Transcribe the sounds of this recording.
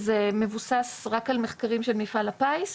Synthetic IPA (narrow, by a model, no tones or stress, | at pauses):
zeme̞vusasʁakalme̞χkaʁimʃe̞lmifalapajs